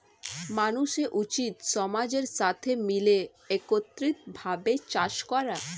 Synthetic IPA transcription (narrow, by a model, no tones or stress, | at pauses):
manuʃeʔut͡ɕit̪ʃɔmad͡ʑeɾʃat̪ʰemile | ekot̪ːɾit̪bʱabet͡ɕaʃkɔɾa